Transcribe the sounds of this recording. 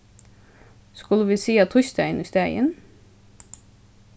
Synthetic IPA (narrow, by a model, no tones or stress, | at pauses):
skʉləʋiːsiːɑt̪ʰʊçt̪æɪnist̪æɪə̰n